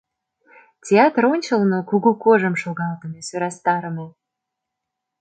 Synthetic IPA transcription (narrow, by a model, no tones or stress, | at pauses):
tʲeɑt̪ronʲt͡ɕə̆lnokuɣukoʒə̆mʃolɣɑlt̪ə̆mʲesøɾɑst̪ɑɾəme